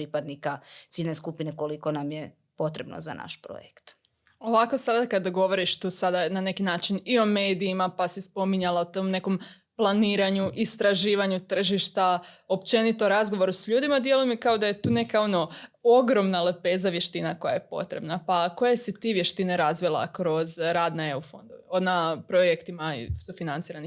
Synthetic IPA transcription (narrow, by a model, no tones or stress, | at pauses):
pɾipad̪nikat̪siːlʲneskupineko̞likonamje | po̞t̪ɾebno̰za̰na̰ʃpɾo̰jekt̪ | o̞ʋako̞sad̪akad̪aɡo̞ʋo̞ɾiʃt̪uːsad̪anane̞kinaːt͡ʃinio̞me̞ːd̪iːmapasispo̞miɲalˠaot̪omne̞ko̞m | plˠaniːɾaɲuʔist̪ɾaʒiːʋaɲut̪r̩ʒiʃt̪ao̞pt͡ʃe̞nit̪oɾazɡo̞ʋo̞ɾusʎuːd̪imad̪je̞lujemikao̞d̪aje̞t̪uːne̞kao̞no̞o̞ɡɾo̞mnalepe̞ːzaʋje̞ʃt̪inako̞ja̰jepo̞̰t̪ɾebnapako̞jasit̪iːʋje̞ʃt̪ineɾazʋilˠa̰kɾo̞zɾaːd̪naeufo̞̰nd̪oonapɾojekt̪imasufinant̪siːɾani